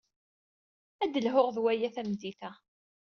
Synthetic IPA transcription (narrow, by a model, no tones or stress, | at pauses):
æd̪əlɦʊʁðwæjæθæmd̪iθæ